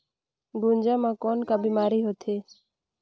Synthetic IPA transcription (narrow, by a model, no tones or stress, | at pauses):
ɡund͡ʒaːmãːkɔːnkabiːmaːɾiːɦot̪ʰeː